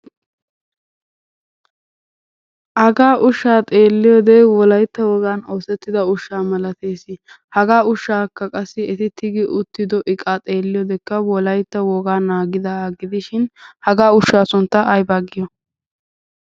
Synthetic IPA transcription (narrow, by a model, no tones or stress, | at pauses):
ʔɐɡaːʔʊʃːaːt̪ʼe̞ːlːɪjoːd̪ɛwɔlɐjt̪ːɐwɔɡaːnoːsɛt̪ːɪd̪ɐʊʃːaːmɐlɐt̪eːsɪ | hɐɡaːʊʃːaːkːɐkʼɐsːɪɛt̪ɪt̪ʰɪɡɪʔʊt̪ːɪd̪ɔʔɪkʼːat̪ʼe̞ːlːɪjɔːd̪ɛkːɐwɔlɐjt̪ːɐwɔɡaːnːaːɡɪd̪ɐɡɪd̪ɪʃɪnhɐɡaːʊʃːaːsʊnt̪ːɐʔɐjbaːɡɪjɔ